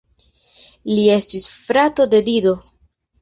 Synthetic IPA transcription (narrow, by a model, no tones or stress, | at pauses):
lie̞stisfɾato̞de̞dido̞